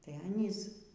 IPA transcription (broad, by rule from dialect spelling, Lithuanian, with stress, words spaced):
tɐɪ ˈɑːnʲiːs